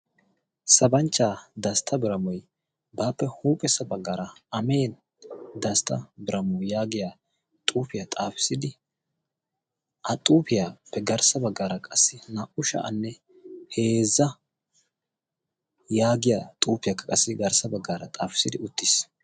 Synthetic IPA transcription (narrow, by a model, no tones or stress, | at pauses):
sɐbɐnt͡ʃːaːd̪ɐst̪ʰɐbɪɾɐmɔj | baːpːɛhuːpʼɛsɐbɐɡːaːɾɐɐme̞ːn | d̪ɐst̪ʰɐbɪɾɐmɔjaːɡɪja | t̪ʼuːfɪjat̪ʼaːfɪ̥sɪd̪ɪ | ʔɐt̪ʼuːpɪjaːpːɛɡɐɾsɐbɐɡːaːɾɐkʼɐsːɪnaʔʊʃɐ̰ʔɐ̰nːɛ | he̞ːzːɐ | jaːɡɪjat̪ʼuːpɪjɐkːɐkʼɐsːɪɡɐɾsɐbɐɡːaːɾɐt̪ʼaːfɪ̥sɪd̪ɪʊt̪ːɪs